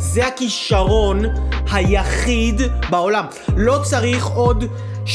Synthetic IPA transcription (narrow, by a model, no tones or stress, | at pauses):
zehakiʃaʁo̞nhajaχidbaolam | lo̞t͡saʁiχo̞d | ʃ